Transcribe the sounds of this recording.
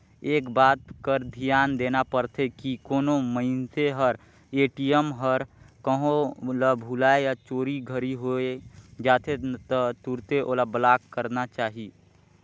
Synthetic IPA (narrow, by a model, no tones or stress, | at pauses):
eːkbaːt̪kəɾd̪ʱijaːnd̪eːnapəɾt̪ʰekikoːnoməɪnseɦəɾ | eːʈiəmɦəɾkəɦõlabʱulaejat͡ʃoːɾiɡʱəɾiɦoed͡ʒaːt̪ʰet̪ət̪uɾt̪eʔoːlablaːkːəɾnat͡ʃaːɦi